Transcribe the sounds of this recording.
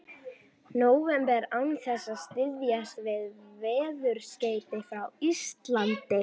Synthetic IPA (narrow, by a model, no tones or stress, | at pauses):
noːwvɛmpɛɾawnθɛsːaðst̪ɪðjast̪vɪðvɛːðʏɾ̥sceːjt̪ɪθawist̪lant̪ɪ